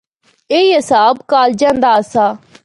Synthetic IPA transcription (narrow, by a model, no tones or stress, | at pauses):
eːiːɦɪsaːbkaːld͡ʒãːnd̪aːsaː